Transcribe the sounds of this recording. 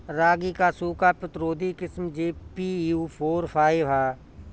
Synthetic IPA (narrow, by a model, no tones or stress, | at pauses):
ɾaːɡiːkasuːkapɪt̪ɾoːd̪ikɪsmd͡ʒeːpiːuːpʰoːɾpʰaːiʋɦaː